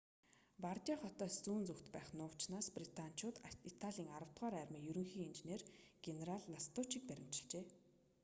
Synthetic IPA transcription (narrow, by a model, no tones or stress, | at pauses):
part̪ʲjaχɔt̪ɔːst͡suːnt͡sɵxt̪pæːχnʊːt͡ɕnaːsprit̪ʰan̥t͡ɕʊːt̪it̪ʰaɮʲiːŋaɾə̆w̥t̪ʁaːɾæːrmiːŋjɵɾɵ̆ŋxiːŋint͡ɕneːrɡ̥eneɾaɮːast̪ʊt͡ɕik̚pæɾʲɪ̆m̥t͡ɕɪ̥̆ɮt͡ɕeː